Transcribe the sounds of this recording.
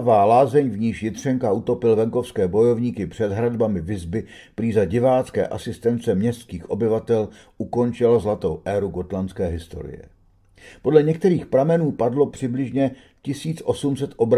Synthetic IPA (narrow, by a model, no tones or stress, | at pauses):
vaːlaːzɛɲvɲiːʃjɪt̪r̝̥ɛŋkaut̪opɪlvɛŋko̞fskɛːbo̞jo̞vɲiːkɪpr̝̥ɛd̪ɦɾad̪bamɪvɪzbɪ | pɾiːzaɟɪvaːt͡skɛ̰ːʔasɪst̪ɛnt͡sɛmɲɛst̪kiːxʔo̞bɪvat̪ɛl | ʔuko̞nt͡ʃɪlazlat̪o̞wʔɛɾuɡo̞t̪lant͡skɛːɦɪst̪o̞̰ɾɪ̰jɛ̰ | po̞dlɛɲɛk̚t̪ɛɾiːxpɾamɛnuːpadlo̞pr̥ɪblɪʒɲɛ | cɪsiːt͡sʔo̞sumsɛt̪ʔo̞bɾ